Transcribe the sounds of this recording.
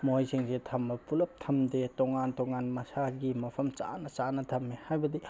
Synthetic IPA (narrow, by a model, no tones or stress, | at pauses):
mojseŋsetʰɐmːɐpulɐp̚tʰɐmdetɔŋantɔŋanmɐsaɡimɐpʰɐmt͡ʃa̰nɐt͡ʃanɐtʰɐmːehajbɐdi